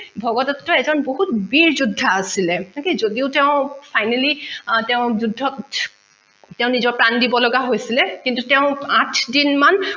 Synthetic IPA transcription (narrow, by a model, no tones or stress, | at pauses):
bʱɔɡɔtɔtːɔɛzɔnboɦut̚biɹzudʱːaːsilɛkizodiʊtɛʊ̃pʰajnalitɛʊ̃zudʱːɔt | tɛʊ̃nizɔɹpɹandibɔlɔɡaɦojsilɛkintutɛʊ̃atʰdinman